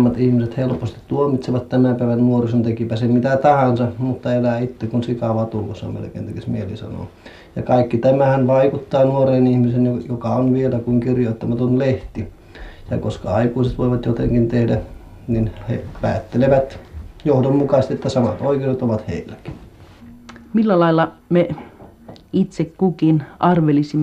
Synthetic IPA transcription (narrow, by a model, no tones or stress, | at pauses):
mːɑt̪ihmiset̪helpost̪i̥t̪t̪uomit̪seʋɑt̪t̪æmæpæˑeʋænnuorisont̪ekipæsemit̪æt̪ɑhɑnsɑmut̪ːɑelæːit̪ːekunsikɑʋɑːt̪ulkosːɑ̰mḛlĕkḛːnt̪ekismielḭsɑ̰no̰ˑ | jɑ̰kɑikːit̪æmæhænʋɑikut̪ːɑːnuoreːnihmisenjojokɑonʋielækuŋkirjoˑit̪ːɑmɑt̪onleht̪i | jɑkoskɑɑikuːset̪ʋoiʋɑt̪jot̪ḛŋkint̪ehdæ | ninhḛpæ̰ːt̪ːeleʋæt̪johdommukɑst̪iet̪ːæsɑmɑt̪oikeoset̪oʋɑt̪hḛilːˑæki̥n | milːælɑilːɑme | it̪sekkukinʔɑrʋelisimː